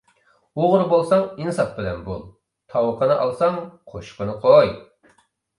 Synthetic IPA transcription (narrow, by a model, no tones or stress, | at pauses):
oʁʊɾbolˠsɑŋinɨsɑp̚bɪlɛnbṵlˠ | t̪ʰɑwəqʰənɨʔɑ̰lˠsɑŋqʰoʃqənɨqʰoj